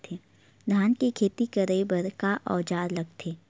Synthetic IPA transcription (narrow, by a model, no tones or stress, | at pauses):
t̪ʰeː | d̪ʱaːnkekʰeːt̪ikɐɾəibɐɾkaʔɔːd͡ʒaːɾlɐɡt̪ʰeː